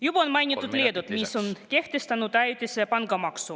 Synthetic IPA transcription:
jub̥ɑonmɑjnʲit̪ːˑut̪lʲied̪ut̪misonke̞ht̪est̪ɑnut̪æjt̪ʲesepɑŋɡɑmɑksu

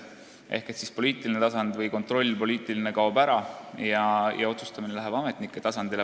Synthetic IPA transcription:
ʔe̞hke̞t̪sispo̞lʲiːt̪ˑiline̞t̪ɑsɑnd̪̥vɤjko̞nt̪ˑro̞lʲːpo̞lʲiːt̪ˑiline̞kɑwbæɾɑjɑjɑ̰o̞t̪su̥st̪ɑminelæɦev̥ɑme̞t̪ˑnikˑːet̪ɑsɑnd̪̥il

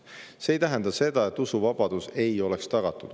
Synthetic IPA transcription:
se̞ːjt̪æɦend̪̥ɑse̞d̪̥ɑe̞t̪ːˑusuvɑb̥ɑd̪̥use̞jo̞lekst̪ɑɡ̥ɑt̪ːˑud̪̥

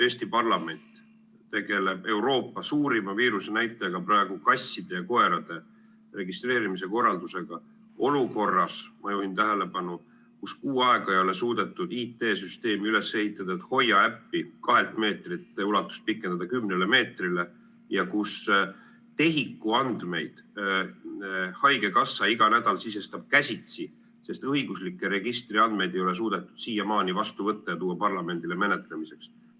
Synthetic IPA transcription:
e̞ːsʲt̪ipɑrlɑme̞nʲt̪ | t̪ːe̞ɡ̥e̞le̞b̥e̞wɾo̞ːpːɑsuːɾimɑviːɾuse̞næjt̪ːˑɑjɑɡ̥ɑprɑeɡ̥ukɑsʲːid̪̥e̞jɑko̞e̞ɾɑd̪̥e̞ | re̞ɡist̪re̞ːɾimis̬e̞ko̞rːɑld̪use̞ɡ̥ɑ | o̞luko̞rːɑsmɑjuhint̪æɦele̞pɑnu | kuskuːɑe̞ɡ̥ɑejo̞le̞suːd̪̥e̞t̪ːˑud̪iːt̪ːˑe̞ːsyst̪e̞ːmiyle̞she̞ɦit̪ːˑɑd̪̥ɑet̪ho̞jːɑæpːikɑɦe̞lt̪ˑme̞ːt̪rit̪ːulɑt̪ːˑu̥st̪̚pikːˑe̞nd̪ɑd̪̥ɑkymːnele̞me̞ːt̪rile | jɑkus | t̪e̞ɦikːˑuɑnd̪̥me̞jd̪̥ | hɑjke̞kɑsːɑiɡ̥ɑnæd̪̥ɑlsise̞st̪ɑb̥̚kæsʲit̪si | se̞st̪ɤiɡ̥uslikːˑeɾe̞ɡ̥ist̪riɑnd̪̥me̞jd̪e̞jo̞le̞s̬uːd̪et̪ːˑud̪̥siːjɑmɑːnivɑst̪uvɤt̪ˑːɑjɑt̪uːwɑpɑrlɑme̞nd̪̥ile̞me̞net̪ˑlemise̞ks

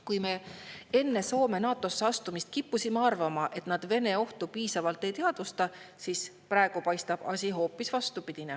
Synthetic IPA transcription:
kujme̞e̞nːe̞so̞ːme̞nɑːt̪ːˑo̞sːeɑst̪umist̪̚kipːusʲimeɑrvɑmɑʔe̞t̪nɑd̪̥ve̞neo̞ht̪upiːsɑvɑlt̪ːˑe̞jt̪eɑd̪̥ust̪ɑsiːs | prɑeɡ̥upɑjst̪ɑb̥ɑ̰sʲiɦo̞ːpːˑisvɑst̪upid̪̥ʲine

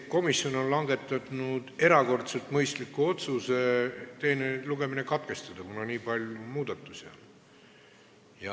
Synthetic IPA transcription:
ko̞misːjo̞no̞nlɑŋɡ̥e̞t̪ːˑɑd̪nud̪̥e̞ɾɑko̞rt̪se̞lt̪mɤjst̪likːˑuo̞t̪suse̞t̪e̞ːneluɡe̞mine̞kɑt̪̚ke̞st̪ɑd̪̥ɑkunɑniːpɑlʲjumuːd̪̥ɑt̪ːˑusʲion | jɑ

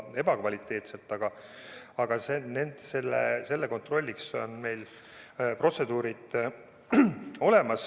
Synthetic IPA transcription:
e̞bɑkvɑlʲit̪ˑːe̞ːt̪selt̪ːˑɑɡ̥ɑ | ɑɡ̥ɑsenend̪̥se̞lːḛse̞lːeko̞nt̪ro̞lʲːikso̞̰nme̞jl | pro̞t̪se̞d̪̥uːɾid̪̥ | o̞le̞mɑs

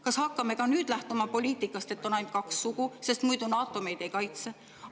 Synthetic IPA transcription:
kɑshɑkːɑme̞kɑnyːd̪̥læht̪omɑpo̞lʲiːt̪ˑikːˑɑst̪e̞t̪ːˑonɑjm̥̚kɑksːuɡ̥use̞st̪mujd̪̥unɑːt̪ːˑo̞me̞jd̪e̞jkɑjt̪se

